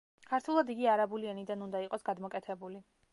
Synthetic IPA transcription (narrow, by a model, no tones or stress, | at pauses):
kʰaɾt̪ʰulˠad̪iɡiaɾabulianid̪anund̪aiqʼɔsɡad̪mɔkʼɛt̪ʰɛbuli